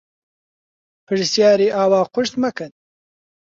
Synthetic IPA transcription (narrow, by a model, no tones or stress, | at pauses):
pʰɨʐsjaːɾiːʔaːwaːqʊʃt̪mɐkɨn